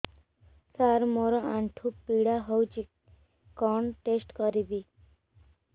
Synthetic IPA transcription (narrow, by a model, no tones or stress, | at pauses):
saɾmoɾɔãɳʈʰupːiɽaɦɔwt͡ʃi | kɔɳʈesʈkɔɾibi